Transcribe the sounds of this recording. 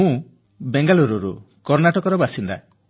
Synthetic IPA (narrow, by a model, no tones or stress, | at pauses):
ũ | beŋɡaluɾuɾṵ | kɔɾnaʈɔkɔɾɔbasind̪a̰